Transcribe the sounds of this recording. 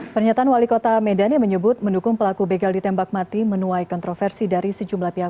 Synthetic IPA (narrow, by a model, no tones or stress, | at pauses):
pərɲat̪aʔanwalikot̪amɛdaniməɲəbʊt̪̚məndukʊŋpəlakubeɡaldit̪ɛmbak̚mat̪imənuajkɔnt̪ɾofɛrsidaɾisəd͡ʒumlahpiɦa